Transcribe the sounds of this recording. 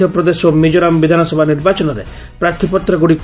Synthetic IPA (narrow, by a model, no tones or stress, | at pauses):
ɔpɾɔd̪esomid͡ʒɔɾambid̪ʱanɔsɔbʱaniɾbat͡ʃɔnɔɾḛ | pɾaɾt̪ʰipɔt̪ɾɔɡuɽik